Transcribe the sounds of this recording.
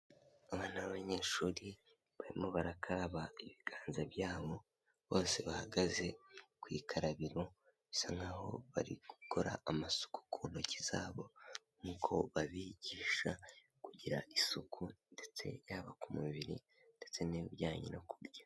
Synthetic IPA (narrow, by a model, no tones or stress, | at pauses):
aβaːnaβaβaɲe̞ːʃuːɾi | βaɾimoβaɾakʰaɾaβaiβiɡ̥aːnzaβjaːβo̞ | βo̞ːse̞βahaɡaze̞kwiːkʰaɾaβiɾo | βisaŋɡaːho̞̰βa̰ɾḭɡukʰo̞ɾa̰ːmasu̥ku̥kʰuːn̥oci̥z̥aːβo̞ | mukʰo̞βaβiɟiːʃa | kuɟiɾaʔisukʰunde̞t͡se̞̰jaːβakumuβiɾḭ | nde̞t͡se̞niβibjaːɲḭnokuɾja